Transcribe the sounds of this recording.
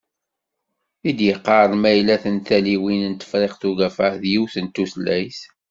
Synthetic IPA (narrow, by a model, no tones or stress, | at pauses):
id̪jəqːɑɾˤmæjlæθənt̪æliwinənt̪ə̥fɾeqθuɣæfəhðjiwθənt̪ːuslæjs